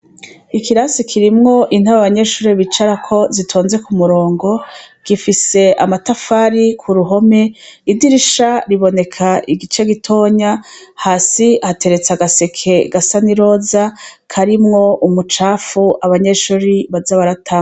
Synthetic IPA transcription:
ikiɾasikʰiɾimŋo̞ʔin̥aβaβaɲe̞ʃuːɾiβit͡ʃaɾakʰo̞zitʰoːnze̞kumuɾoːŋɡo̞ɡ̥ifise̞amatafaɾikʰuɾuɦo̞me̞idiɾiʃaɾiβo̞ne̞kʰaʔiɡit͡ʃe̞ɡitʰo̞ːɲahaːsihate̞ɾe̞t͡saɡase̞kʰe̞ɡasaniɾo̞zakʰaɾimŋo̞ʔumut͡ʃaːfuaβaɲe̞ʃuːɾiβazaβaɾatʰaːŋ

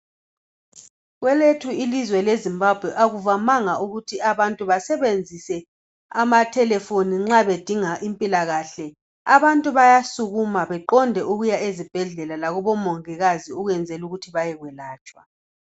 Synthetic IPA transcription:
ɣwɛletʰuilizwɛlezimbab̥ʱwɛʔaɣuvamaŋauɣutʰiaβantʼuβasɛβend͡zʱisɛ | amatʰɛlɛfoniŋ͡ǁaβed̥ʱiŋaʔimpʼilaɣaɬɛ | aβantʼuβajasuɣumaβɛǃɔndʱɛʔuɣujaezib̥ʱɛɮɛlalaɣɔβɔmɔŋɛɣaziuɣwɛnd͡zʱɛluɣutʰiβajɛɣwɛlaːt͡ʃʼwa̰

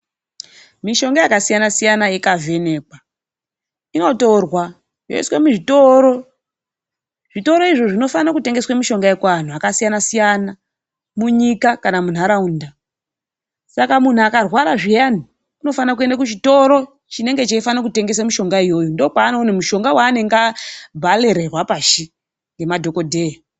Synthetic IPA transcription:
miʃo̞ŋɡajakasijanasijanaekavʱe̞ne̞ːkwa | ino̞to̞rwa | joiswemuʐito̞ɾo̞ | ʐito̞ɾo̞iʐo̞ʐino̞fanakute̞ŋɡe̞swamiʃo̞ŋɡaekwaan̤uakasijanasijana | muɲikakanamun̤aɾaunda | sakamun̤uakarwaɾaʐijan̤i | uno̞fanak̬ue̞ndakut͡ʃito̞ɾo̞ | t͡ʃine̞ŋɡe̞t͡ʃaifanakute̞ŋɡe̞s̬amiʃo̞ŋɡaijo̞jundo̞paːnonemuʃo̞ŋɡawaːne̞ŋɡabʱale̞ɾerwapaʃi | ŋɡe̞madʱo̞ko̞dʱe̞ja

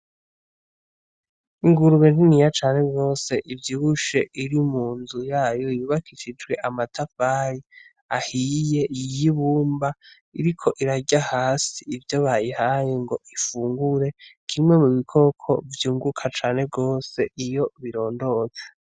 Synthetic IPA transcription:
iŋɡuɾuβeninijat͡ʃaːnhe̞bɡo̞ːse̞ʔivjiːɡuʃe̞ʔiɾimuːnzujaːjo̞juːβakʰiʃid͡ʒɡwe̞ʔamatʰafaɾi | ahije̞jiβuːmba | iɾikʰo̞ʔiɾaɟahaːsiivjoβajihajeŋɡo̞ifuːŋɡuɾe̞kʰimwe̞muβikʰo̞kʰo̞̰vjuːŋɡukʰat͡ʃaːne̞bɡo̞ːse̞ʔijo̞βiɾo̞ːndo̞ze

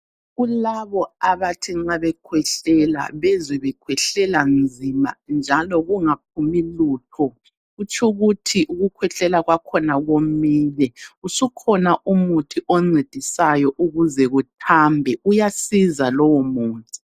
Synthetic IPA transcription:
ɣulaβɔaβatʰiŋ͡ǁaβɛkʰwɛɬɛla̰βɛzɛβɛkʰwɛɬɛland͡zʱima̰nd͡ʒʱalɔɣuŋap̚ʰumiluːtʰɔ | ɣut͡ʃʰʼuɣutʰiʔuɣukʰwɛɬɛlaɣwakʰɔnaɣomiːlɛusukʰɔnaʔumutʰiʔɔŋ͡ǀed̥ʱisajɔʔuɣuzɛɣutʰambʱɛʔujasizalɔwɔmuːntʼi̥

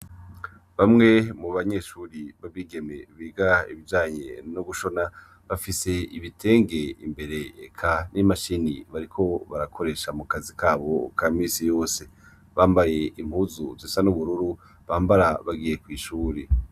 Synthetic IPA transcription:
βamŋe̞muβaɲe̞ʃuːɾiβaβiːɡe̞me̞βiːɡaḭβivd͡ʒaːɲḛnoɡuʃo̞na | βafise̞iβitʰe̞ːŋɡe̞ḭmbe̞ɾe̞ːkʰanimaʃiniβaɾikʰo̞βaɾakʰo̞ɾe̞ːʃamukazikaːβo̞kʰamiːsijo̞ːse̞ | βaːmbaje̞ʔim̥huːzuviːsanuβuɾuɾu | βaːmbaɾaβaɡije̞kwiːʃuːɾe

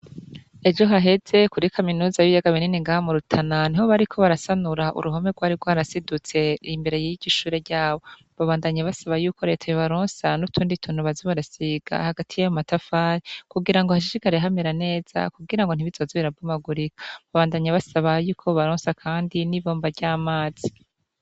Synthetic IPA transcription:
e̞d͡ʒʒo̞ɦaɦe̞z̥e̞kuɾikʰaminuːzajijaɡaβininiŋɡahamuɾutʰananiho̞βaɾikʰo̞βaɾasanuɾaʔṵɾʔuɦomeɾɡwaːɾiɾɡwaːɾasidut͡se̞imbe̞ɾe̞jijiɟiʃuːɾe̞ɾɟaːβo | βaβaːndaɲaβasaβajuːko̞ɾe̞ːtʰajoβaɾoːnsanutʰuːnditʰuːn̥uβaziβaɾasiɡ̥a̰haɡatʰijajomatafaːɾikuɡiɾaŋɡohaʃiʃiɡaɾeɦameɾane̞ːz̥a̰kuɡiɾaŋɡo̞n̥iβizoziβiɾab̚ɡumaɡuɾikḁβaβaːndaɲaβasaβajuːkʰo̞βaɾoːnsakʰaːndiniβo̞ːmbaɾɟaːmaːz̥i

